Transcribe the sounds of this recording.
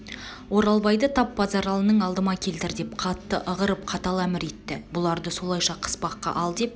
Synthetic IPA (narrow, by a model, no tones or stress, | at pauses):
wo̞ɾɑlˠbɑjd̪ət̪ʰɑp̚bɑzɑɾɑlˠənəɴɑlˠd̪əmɑkʲʰe̞lt̪ɪɾd̪e̞p̚qʰɑt̪ːəʔəʁəɾəp̚qʰɑt̪ɑlˠæmɪɾe̞t̪ːɪbʊlˠɑɾd̪əso̞lˠɑjʃɑqʰə̥spɑqːɑ̰ʔɑlˠd̪e̞p̚